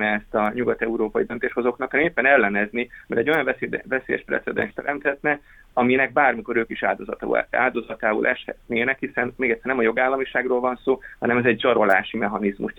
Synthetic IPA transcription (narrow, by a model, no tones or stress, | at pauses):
nɛɛst̪ɒɲuɡɒt̪ɛuɾoːpɒjid̪ø̞nt̪eːʃho̞zo̞knɒkːnɛmeːpːɛnɛlːɛnɛznimɛɾɛɟːo̞jɒɱvɛvɛseːjɛ̰ʃprɛ̰t̪sɛd̪ɛ̰nʃt̪ɛ̰ɾɛmt̪hɛt̪nɛ | ɒminɛɡ̚baːrmiko̞ɾøːkiʃa̰ːd̪ozt̪a̰ːld̪o̞zɒt̪aːṵlʔɛʃhɛ̰t̪neːnɛkhisɛnmeːɡɛt̪sɛrnɛmɒjo̞ɡaːlːɒmiʃaːɡroːlvɒnsoːhɒnɛmɛzɛɟzɒɾo̞laːʃimɛɦɒnizmṵʃ